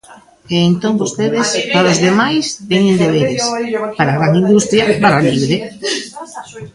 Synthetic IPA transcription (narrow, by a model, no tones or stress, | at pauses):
eːnt̪õŋbost̪eðespaɾozðemajst̪eɲend̪eβ̞eɾespaɾaɣɾaŋind̪ust̪ɾjɐpaɾaliβɾe